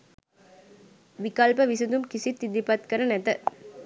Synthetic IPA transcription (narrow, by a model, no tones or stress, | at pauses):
ʋɪkalpɐʋɪsɐd̪umkɪsit̪ːid̪ipɐt̪kɐɾɐnɛt̪ɐ